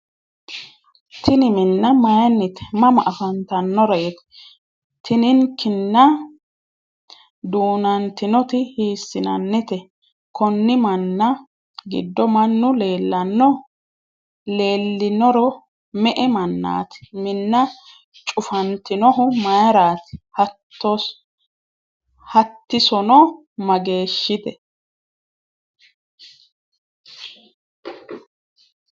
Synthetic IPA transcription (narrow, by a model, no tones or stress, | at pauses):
t̪ʰɪnɪmɪnːɐmɐjɐnːɪt̪ɛ̥mɐmɐʔɐfɐnt̪ɐnːɔɾɔjɛt̪ | t̪ʰɪnɪŋkʰɪnːɐ | d̪uːnɐnt̪ɪnɔt̪ɪhiːsːɪnɐnːɪt̪ɛ | kʰɔnːɪmɐnːɐ | ɡɪ̰d̪ːɔmɐnːʊle̞ːlːɐnːɔ | le̞ːlːɪnɔɾɔ | mɛʔɛmɐnːa̰ːt̪mɪnːɐ | t͡ʃʼʊfɐnt̪ːɪnɔɦʊmɐjɐɾaːt̪h | ɔ | hɐt̪ːɪsɔnɔ | mɐɡe̞ːʃːɪd̪ɛ